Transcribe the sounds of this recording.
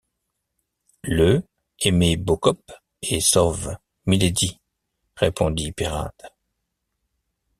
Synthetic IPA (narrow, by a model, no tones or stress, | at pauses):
lə | emebokɔp | esɔv | miled̪i | ʁepɔ̃d̪ipeʁa̰d̪̥